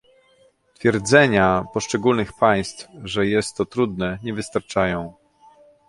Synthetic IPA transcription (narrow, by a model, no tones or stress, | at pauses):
t̪fʲjɛɾd̪zɛɲapɔʂt͡ʂɛɡulnɘxpaj̃st̪fʐɛjɛst̪ːɔt̪ɾud̪nɛɲɛvɘst̪aɾt͡ʂajɔ̃w̃